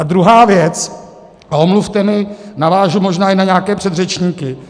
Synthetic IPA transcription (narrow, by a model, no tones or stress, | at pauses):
ad̪ɾuɦaːvjɛt͡s | omluft̪ɛmɪnavaːʒumoʒnaːɪnaɲaːkɛːpr̥ɛd̪rɛt͡ʃɲiːkɪ